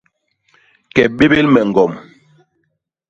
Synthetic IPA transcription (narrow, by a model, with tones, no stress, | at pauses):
kɛ˨ɓe˦be˦lmɛ˨ŋ˨ɡɔ˨m